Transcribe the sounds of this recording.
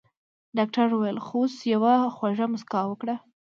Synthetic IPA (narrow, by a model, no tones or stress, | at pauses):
ɖɑk̚ʈaɾuwajəlxosjawaxwaʐamʊskɑwəkɽa